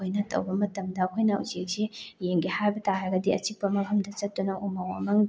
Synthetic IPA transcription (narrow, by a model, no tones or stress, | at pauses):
ojnɐtʰɐ̰wbɐmɐtɐmdɐkʰojnɐṵzek̚sejeŋɡihajbɐtaɦajɡɐdiɐ̰t͡ʃik̚pɐmɐbʰʱɐmdɐt͡ʃɐt̚ːunɐʔumawɐ̰mɐŋ